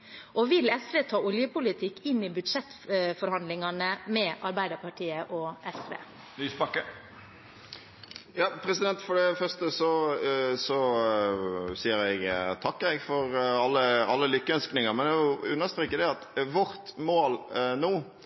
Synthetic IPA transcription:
ʔɔʋɪlɛsʋeːt̪ʰɑːʔɔljəpʊlɪt̪ʰɪkːɪnːɪbʉd̪ʂɛt̪ːfɔɾhɑnd̪lɪŋɑnəmɛʔɑɾbæɪd̪əɾpɑʈʰiːəʔɔʔɛsʋḛː | nyːspɑkːə | jɑːpʰɾɛsɪd̪ɛnt̪fɔɖɛfœʁst̪əsɔsɔ | siːəɾɛɡt̪ʰɑkːɛɡfɔʁɑlːəɑlːəlʏkːəœnsknɪŋəʁmɛnɛʊʉnːəʁst̪ɾʁeːkːəd̪ɛɑt̪ʋʊɾt̪moːlnuː

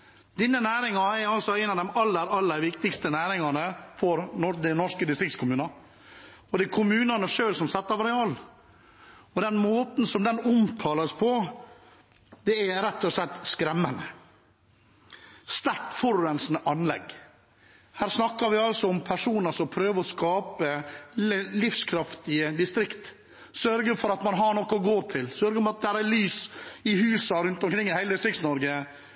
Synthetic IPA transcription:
d̪̥ɪnːənæːɾɪŋɑɛɾɑlsɔæɪnɑʋd̪ɛmɑlːəɾɑlːəɾʋɪkt̪ɪkst̪ənæːɾɪŋɑnəfɔɾnɔd̪ɛnɔʂkəd̪ɪst̪ɾɪk̚t̪skʰʊmʉːnɑɾ | ɔd̪ɛkʰʊmʉːnɑnəʂøːlsɔmsɛt̪ːɑʋɑɾɛɑl | ɔd̪ɛnmoːt̪n̩sɔmd̪ɛnʊmt̪ʰɑːləspʰɔ | d̪̥ɛæɾɛt̪ːɔslɛt̪ːskɾɛmːənə | st̪æʈfɔɾʉːənsnəʔɑnlɛ̰ɡ | hæːɾsnɑkːɑɾʋɪɑlsɔɔmpʰæʂuːnəɾsɔmpʰɾøːʋəɔskɑːpə | lɪfskʰɾɑft̪ɪəd̪ɪst̪ɾɪkt̪ | sœɾɡəfɔɾɑt̪mɑnɦɑɾɳɔkːɔɡoːɾt̪ʰɪlsœɾɡəɔmɑt̪̚d̪ɛhæːɾælyːsɪhʉːsɑɾʉnt̪ɔmkɾɪŋːɪhæɪəsɪktsnɔɾɡə

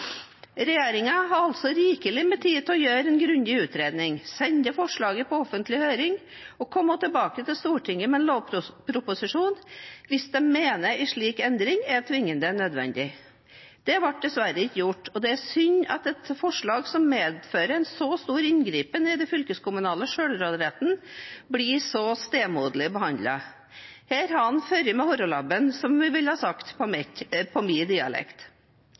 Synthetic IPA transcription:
ɾɛjeːɾɪŋɑɦɑɾɑlt̪sɔɾiːkəlɪmɛt̪ʰiːd̪t̪ʰɛɔjøːɾɛnɡɾʉnd̪ɪʉːt̪ɾeːd̪nɪŋsɛnd̪əfɔʂɭɑːɡəpʰɔɔfənt̪ʰlɪhøːɾɪŋɔkʰɔmːɔt̪ʰəlbɑːkət̪ʰɪlst̪uːʈʰɪŋːəmɛɛnloːʋpʰɾʊpʊsɪʂuːnʋɪsd̪ɛmeːnəʔɪʂɭiːkɛnd̪ɾɪŋæt̪ʰʋɪŋːənd̪ənœd̪ʋɛ̰nd̪ɪ | d̪̥ɛʋɑʈ̚d̪ɛsʋæɾəɪçːəjʊʈːɔd̪ɛæsʏɲːɑ̰t̪ɛt̪fɔʂɭɑːɡsɔmːeːd̪føːɾəɛnsɔst̪uːɾɪnɡɾiːpənɛd̪ɛfʏlkəskʊmʉnɑːləʂøːɽɾoːd̪ɾɛt̪n̩blisɔst̪eːmuːd̪əlɪbəhɑnd̪lɑ | heːɾhɑɑnføɾjəmɛhɔɾɔlɑbənsɔmʋɪʋɪlhɑːsɑkt̪pʰɔpʰɔmiːd̪iːɑ̰lɛ̰kt̪

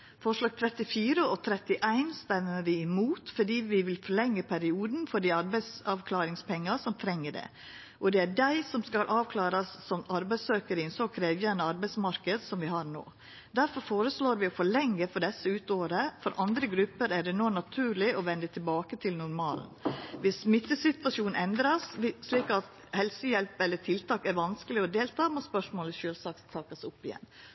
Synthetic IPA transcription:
fɔʂlɑːɡ̚t̪ʰɾɛt̪ɪfiːɾəɔt̪ʰɾɛt̪ɪʔæɪnst̪ɛməʋɪɪmuːt̪fɔɖiːʋɪʋɪlfɔɭɛŋːəpʰæɾɪuːd̪n̩fɔɖiɑɾbæɪsɑʋkʰlɑːɾɪŋspʰɛŋːɑsɔmt̪ʰɾɛŋːəɖɛ̰ː | ʔɔd̪ɛæɖæɪsɔmskɑlʔɑːʋkʰlɑːɾɑsːɔmɑɾbæɪsøːkəɾɪnsɔkʰɾeːʋjænəɑɾbæɪsmɑɾkəd̪sɔmʋɪhɑɾno̰ː | d̪æɾfɔɾfoːɾəsɭoːɾʋɪɔfɔɭɛŋːəfɔɖɛsːəʉːt̪oːɾəfɔɾʔɑnd̪ɾəɡɾʉpːəɾæɖɛnoːnɑt̪ʰʉːɾɭɪʔɔʋɛnd̪ət̪ʰɪlbɑːkət̪ʰɪlnʊɾmɑːln̩ʋɪsmɪt̪ːəsɪt̪ʋɑʂuːnɛnd̪ɾɑsʂɭiːkɑt̪ | hɛlsəjɛlpɛlːəʈʰɪlt̪ʰɑːkæɾʋɑnskəlɪɔd̪eːlt̪ʰɑːmoːspœʂmoːləʃøːlsɑːkt̪ʰɑːkɑsʊpːɪjɛ̰nː

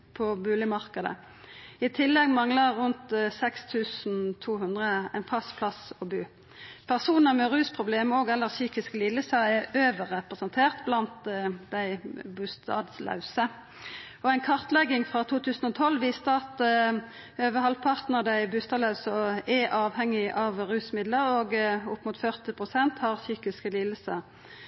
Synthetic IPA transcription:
pʰɔbʉːlɪmɑʁkəd̪ə̰ | ɪt̪ʰɪlːɛɡmɑŋləʁːʉnt̪sɛkst̪ʰʉːsn̩t̪ʰuːɦʉnd̪ʁəæ̰ɪnfʰɑspʰlɑsɔbʉː | pʰæʁsuːnəʁmɛʁʉːspʰʁʊbleːmoːɡɛlːəʁsyːkɪsklɪləsɑɛøːʋəʁɛpʁəsənt̪ʰeːʁt̪blɑnt̪d̪æɪbʉst̪ɑ̰ːd̪slɑ̰ʉsə | ɔæɪnkʰɑʁt̪lɛɡɪŋfʁɑt̪ʰuːt̪ʰʉːsn̩ɔt̪ʰɔlːʋiːst̪əɑt̪ | øːʋəhɑlpʰɑʁt̪nəʁd̪æɪbʉst̪ɑd̪lɑʉsɔɛʔɑːʋhɛŋːɪʔɑʋʁʉːsmɪd̪ləɾoːɡʊpːmʊt̪fœʁt̪ɪpʰʁʊsɛnt̪hɑʁsyːkɪskəlɪləsə

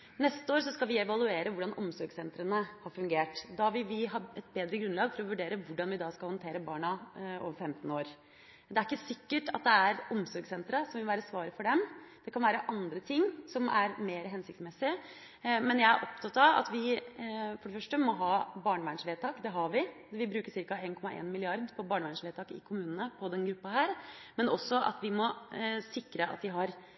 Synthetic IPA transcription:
nɛst̪əoːɾsɔskɑlʋɪɛʋɑlˠʉeːɾəʋʊɖɑnʔɔ̰msɔɾɡsɛnt̪ɾənəhɑɾfʉŋɡeːʈd̪ɑʋɪlʋɪɦɑːɛt̪̚beːd̪ɾəɡɾʉnlɑːɡfɔɾɔʋʉɖeːɾəʋʊɖɑnʋɪd̪ɑskɑlhɔnt̪ʰeːɾəbɑːɳɑo̰ːʋəɾfɛmt̪n̩oːɾ | d̪ɛæɾɪkːəsɪkːəʈɑt̪̚d̪ɛæɾɔmsɔɾɡsɛnt̪ɾɑsɔmʋɪlʋæːɾəsʋɑːɾəfɔɖɛmd̪̥ɛkʰɑnʋæːɾəʔɑnd̪ɾət̪ʰɪŋːsɔmæɾmeːɾəɦɛnsɪk̚t̪smɛsːɪ | mɛnjæɪæ̰ɾʔɔpt̪ʰɑt̪ɑʋɑ̰t̪ʋɪ | fɔɖɛfœʂʈəmɔɦɑːbɑːɳəʋænʂʋeːd̪t̪ʰɑːkd̪ɛɦɑɾʋɪ | ʋɪbɾʉːkəsɪɾkɑeːnkʰɔmːɑʔḛːnmɪlɪɑɾd̪pʰɔbɑːɳəʋænʂʋeːd̪t̪ʰɑːkɪ̰kʰʊmʉːnənəpʰɔd̪ɛnɡɾʉpːɑɦæːɾmɛnɔsːɔʔɑ̰t̪ʋɪmɔsɪkːɾəʔɑ̰t̪d̪ɪɦɑɾ

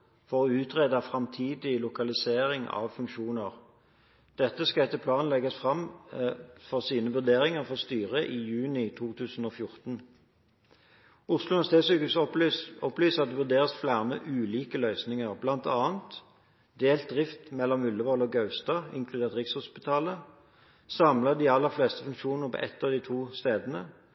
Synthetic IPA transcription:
fɔʁɔːʉːt̪ʁeːd̪ɑfʁɑmt̪ʰiːd̪ɪlʊkɑlɪseːʁɪŋɑ̰ʋfʉŋkʃuːnəʁ | d̪̥ɛt̪ːəskɑɛt̪ːəpʰlɑːnlɛɡɑsfʁɑm | fɔʁsiːnəʋʉʁd̪eːʁɪŋəʁfɔʁst̪yːʁəʔiːjʉːnɪt̪ʰuːt̪ʰʉːsn̩oːfjʊʁt̪n̩ | ʊʁslʊnəst̪eːsyːkəsɔplyːsɑt̪̚d̪ɛʋʉʁd̪eːʁəsflæːʁməʔʉːliːkəlœʏsnɪŋəʁblɑnt̪ɑːənt̪ | d̪eːlt̪̚d̪ʁɪft̪mɛlːɔmʉlːəʋɔlɔɡɑʉst̪ɑːɪ̰ŋkʰlʉd̪eːʁt̪ʁɪkshʊspɪt̪ʰɑːlə | sɑmlɑd̪iɑlːəʁfleːst̪əfʉŋkʃuːnnəʁpʰo̰ʔɛt̪ːɑʋd̪iːt̪ʰuːst̪eːd̪ənə̰

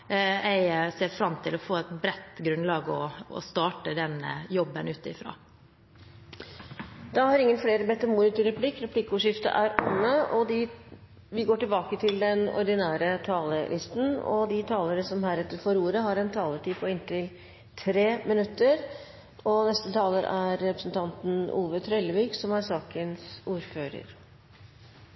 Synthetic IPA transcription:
æɪseːɾfɾɑmt̪ʰɪlɔfoːɛt̪bɾɛt̪ːɡɾʉnlɑːɡɔɔ̰st̪ɑːʈəd̪ɛnəjɔbːənʉːt̪ɪfɾɑ̰ː | d̪ɑhɑɾɪŋːənfleːɾəbɛt̪ːəmuːnɪt̪ɪɾɛpʰlɪkːɾɛpʰlɪkːʊʂɪft̪ə̰ʔæɾɔmːəɔd̪ɪ | ʋɪɡoːʈɪlbɑːkət̪ʰɪld̪ɛnɔ̰ɾd̪ɪnæːɾət̪ʰɑːləlʔɪst̪n̩ɔ̰d̪ɪt̪ʰɑːləɾəsɔmhæːɾɛt̪ːəɾfɔɾuːɾəɦɑɾɛnt̪ʰɑːləʈiːpʰɔɪnt̪ɪl | t̪ʰɾeːmɪnʉt̪ːəɾ | ɔnɛst̪ət̪ʰɑːləɾʔæɾːɛpɾə̥sn̩t̪ʰɑnt̪nṵːʋət̪ʰɾœləʋɪːksɔmæɾsɑːkənsuːɾføːɾə̰ɾ

